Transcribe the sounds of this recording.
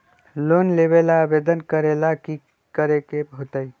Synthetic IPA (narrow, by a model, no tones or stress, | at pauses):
lonleβelaːbed̪ənkəɾelaki | kəɾekebɦot̪əj